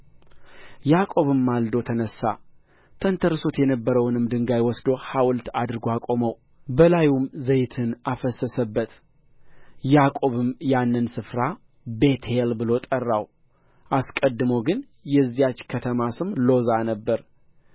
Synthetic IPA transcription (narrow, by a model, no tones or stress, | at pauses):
jakʼo̞βɨmːald̪o̞t̪ʰənəsːa̰ | t̪ʰənt̪ʰəɾso̞t̪jɛnəbːəɾəwnɨmd̪ɨŋɡajwɔsd̪o̞hawlt̪ad̪ɨɾɡoakʼo̞məw | bəlajumzəjt̪ʰɨnafəsːəsəbːət̪ | jakʼo̞βɨmjanːɨnsɨfɾa | be̞t̪ʰelbɨlo̞t̪ʼərːaw | ʔaskʼəd̪ːɨməwɡɨn | jɛzːijat͡ʃːkʰət̪ʰəmasɨmlo̞zanəbːəɾ